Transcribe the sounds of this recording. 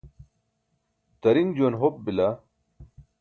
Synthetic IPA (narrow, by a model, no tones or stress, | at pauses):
t̪ɐɾiŋd͡ʑonɦop̚bila